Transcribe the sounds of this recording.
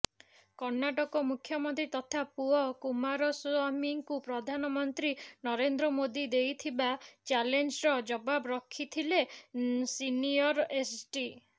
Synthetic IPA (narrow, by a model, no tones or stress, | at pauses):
kɔɾnaʈɔkɔmukʰːjɔmɔnt̪ɾit̪ɔt̪ʰapuɔkumaɾɔsuamiŋkupɾɔd̪ʱanɔmɔnt̪ɾinɔɾend̪ɾɔmod̪id̪ejt̪ʰibat͡ʃalend͡ʒɾɔd͡ʒɔbabɔɾɔkʰːit̪ʰilesiniɔɾesʈi